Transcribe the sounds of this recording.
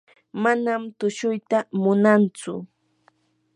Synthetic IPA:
manamt̪ʊʃʊjt̪amʊnant͡sʊ̰

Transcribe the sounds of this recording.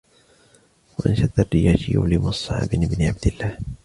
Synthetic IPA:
waʔanʃad̪arːɪjaːʃɪjṵwlimʊsˤːɑ̰ʕa̰bɪnɪbnɪʕab̚d̪ɪlːaːh

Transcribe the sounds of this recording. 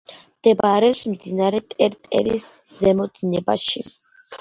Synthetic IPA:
md̪̥ɛbaɾɛpsmd̪inaɾɛt̪ʼɛɾt̪ʼɛ̰lis | zɛmɔd̪inɛba̰ʃi

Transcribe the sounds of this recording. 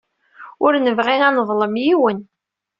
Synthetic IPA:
ʊɾnəvʁinɑnəðˤləmjiwən

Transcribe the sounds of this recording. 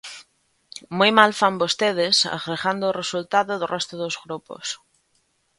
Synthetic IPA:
mujmalfambost̪eð̞esa̰fɾeɣand̪oːresult̪aðoðorʔɛst̪oðozɣɾupo̰s

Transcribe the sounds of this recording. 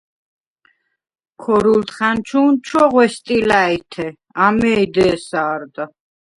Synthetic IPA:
kʰɔɾult̪ʰχant͡ʃʰuːnt͡ʃʰwɔʁwɛst̪ʼilait̪ʰɛ | amɛid̪ɛːsaːɾd̪a

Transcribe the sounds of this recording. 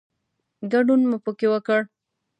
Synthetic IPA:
ɡaɖunmupəkewəkəɽ

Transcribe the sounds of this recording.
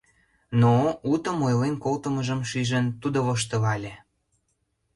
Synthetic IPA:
nout̪əmojlenkolt̪əməʒəmʃiʒənt̪ud̪oβoʃ̬t̪əβɑlʲe

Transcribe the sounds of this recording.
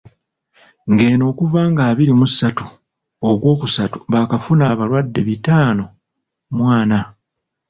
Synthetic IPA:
ŋɡe̞ːno̞ːkuvaːŋɡaːβiɾimusːatu | okwo̞ːkusatu̥βakafunaːβalwadːe̞βitaːno̞ | mwaːna

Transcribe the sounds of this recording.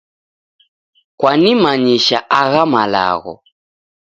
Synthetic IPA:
kwanimaɲiʃaʔaɣamala̰ɣɔ̰

